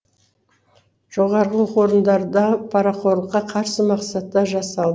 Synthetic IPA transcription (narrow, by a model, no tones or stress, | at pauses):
ʒ̥o̞ʁɑɾʁəqo̞ɾənd̪ɑɾd̪ɑpʰɑɾɑqʰo̞ɾlˠəqːɑqʰɑɾsəmɑqsɑt̪ːɑʒɑsɑlˠd̪ə